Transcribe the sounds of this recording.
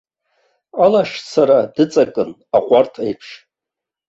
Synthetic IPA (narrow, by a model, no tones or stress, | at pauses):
alaʂsaɾadɨt͡sʼakʼɨn | aqʷʼartʰajpʰʂ